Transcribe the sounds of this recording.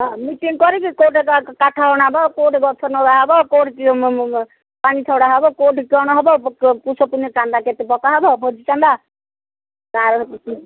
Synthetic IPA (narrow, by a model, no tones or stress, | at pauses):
ɦɔ̃miʈiŋkɔɾikikoʈekkaʈʰaɦɔɽ̃abɔkoʈɡɔt̪ʰɔnɔɾaɦɔbɔkoʈki | paɽ̃it͡ʃ̪ʰɔwɽaɦɔbɔkoʈkɔɽ̃ɔɦɔbɔpusʰɔpunɔt͡ʃãnd̪aket̪epɔkaɦɔbɔbʱɔd͡ʒit͡ʃand̪a | t̪ãɾ